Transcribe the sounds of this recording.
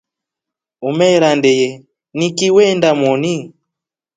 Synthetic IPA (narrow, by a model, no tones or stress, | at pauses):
umɛɾandɛjɛ | nikiwɛndamɔni